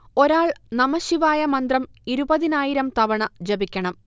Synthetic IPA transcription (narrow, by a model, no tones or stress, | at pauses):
o̞ɾaːɭnɐmɐɕiʋaːjɐmɐnd̪rɐm | iɾubɐðinaːjiɾɐmt̪ɐʋɐɳɐd͡ʑɐbikʲːɐɳɐm